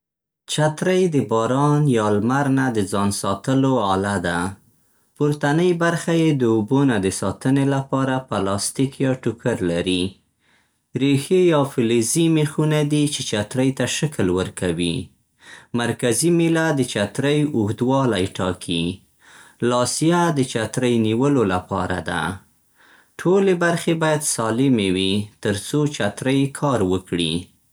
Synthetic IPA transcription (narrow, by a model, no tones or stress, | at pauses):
t͡ʃat̪ɾəjd̪əbɑɾɑnjɑlmaɾnad̪əd͡zɑnsɑt̪əloalad̪a | pʊɾt̪anəjbaɾxajed̪əobonad̪əsɑt̪ənelapɑɾapəlɑst̪ikjɑʈʊkəɾlaɾi | ɾexejɑfɪlezimexunad̪it͡ʃet͡ʃat̪ɾəjt̪aʃaklwəɾkawi | maɾkazimilad̪ət͡ʃat̪ɾəjʊɣd̪wɑlajʈɑ̰kʰi | lɑsijad̪ət͡ʃat̪ɾəjniwəlolapɑ̰ɾa̰d̪a̰ | ʈʰolebaɾxebɑjad̪sɑlɪmewit̪əɾt͡sot͡ʃat̪ɾəjkʰɑɾwəkɽi